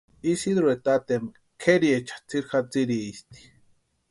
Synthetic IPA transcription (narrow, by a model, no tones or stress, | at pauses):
isid̪ɾuet̪at̪em | kʰeɾiet͡ʃḁt͡siɾxat͡siɾiist̪i̥